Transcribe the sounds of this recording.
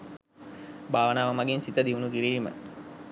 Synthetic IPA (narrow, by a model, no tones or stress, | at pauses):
bʱaːʋənaːʋəmaɡinsit̪əd̪iʋunukiɾiːmə̰